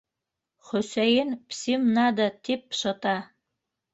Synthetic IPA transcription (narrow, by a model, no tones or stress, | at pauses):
χosɛjɪnpʰsimnad̪atʰipːɕɐtʰʼa